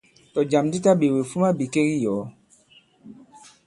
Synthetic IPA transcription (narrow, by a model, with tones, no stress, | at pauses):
tɔ˨d͡ʒa˨mdi˦ta˦ɓe˨we˨fu˦ma˦bi˨ke˦ki˦jɔː˨˦